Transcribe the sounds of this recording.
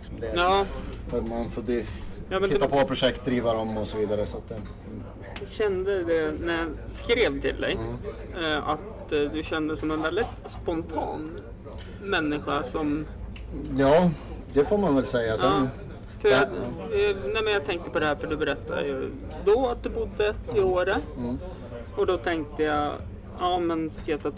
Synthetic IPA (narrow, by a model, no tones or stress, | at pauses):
lɪksɔmd̪ɛjɑːhmanfoːd̪jɑːmɛnɪːapʰɔvapʰɾʊʂɛkt̪̚d̪ɾiːvəɾɔmɔsɔviːd̪aɾəsɔat̪̚d̪ɛ | ɕɛnd̪əd̪ɛnæɾjɑskɾeːvt̪ʰɪ̰ld̪ɛ̰j | a̰t̪ | d̪ɵɕɛnd̪əsɔmɛnvɛld̪ɪt̪spɔnt̪ʰɑ̰ːn | mɛnːɪɧasɔm | jɑːd̪ɛfoːɾmanvɛlsɛjːasɔɑ | fœɾjjɑjɑnɛɪmɛnjɑt̪ʰɛŋk̚t̪əpʰɔd̪ɛhæːɾfœɖɵbɛɾɛt̪ʰːa̰d̪ə̰j̰d̪ɔat̪̚d̪ɵbʊd̪ːəɪoːɾə | ɔd̪ɔt̪ʰɛŋk̚t̪əjɑ | ʔɑːmɛnskeːt̪at̪